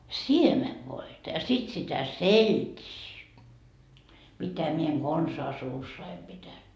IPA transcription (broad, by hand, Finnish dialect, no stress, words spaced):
siemeʋːoitɑ jɑ sit sitæ seltʲiː mitæ mie eŋ ɡ̊onsɑː suːsːɑi pitæn